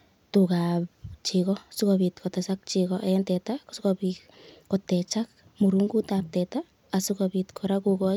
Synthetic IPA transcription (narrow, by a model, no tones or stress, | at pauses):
tukapt͡ʃikɔsukobitkɔtɛsak̚t͡ʃikɔʔaɛntɛtaksukopi | kɔtɛt͡ʃak̚ | muɾuŋɡutap̚tɛtaː | sukopitkʰɔɾakukɔ